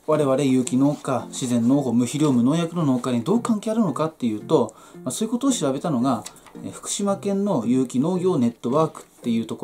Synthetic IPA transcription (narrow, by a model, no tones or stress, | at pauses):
βaɾe̞βaɾe̞jɯ̟ːkʲino̞ːkaɕizẽ̞nːo̞ːɦo̞ːmɯ̟çiɾʲo̞ːmɯ̟noːjakɯ̟no̞noːkaɾ̟id̪o̞ːkãŋkʲe̞ːaɾɯ̟no̞kat̪ːe̞jɯ̟ːt̪o̞ | masoːjɯ̟ko̞t̪oːɕiɾabe̞t̪ano̞ɡa | eɸɯ̥kɯ̥ɕimakẽ̞nːo̞jɯ̟ːkʲino̞ːɡʲo̞ːne̞t̪ːo̞βaːkɯ̟̥t̪ːe̞jɯ̟ːt̪o̞ko